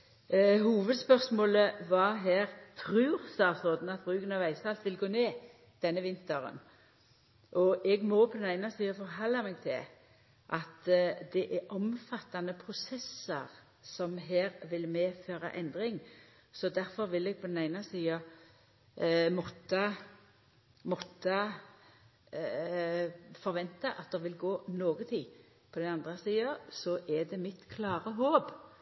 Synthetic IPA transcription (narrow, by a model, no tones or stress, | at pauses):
huːʋəd̪spœʁsmoːləʋɑʁɦeːʁt̪ʰɾʉːɾsɑːsɔd̪n̩ɑt̪̚bʁʉːɡənɑʋæɪsɑlt̪ʋɪlɡoːneː | d̪̥ɛnːəʋɪnt̪əɾə̰n | ʔɔɛɡmɔpʰɔd̪ɛnæɪnɑsiːɑfɔɾɦɑlːɑmɛɡ̚t̪ʰɪ̰l | ʔɑt̪d̪ɛʔɛʔɔmfɑt̪ːɑnəpʰʁʊsɛsə̰ʁ | sɔmɦeːɾʋɪlmeːføːɾɑ̰ʔɛnd̪ɾɪŋ | sɔd̪æɾfɔɾʋɪlːɛɡ̚pʰɔd̪ɛnæɪnəsiːɑ | mɔt̪ːə | mɔt̪ːə | fɔɾʋɛnt̪ɑʔɑt̪̚d̪ɛʋɪlɡoːnoːɡət̪ʰiː | pʰɔd̪ɛnɑnd̪ʁəsiːəsɔʔɛd̪ɛmɪt̪kʰlɑːʁəɦoːb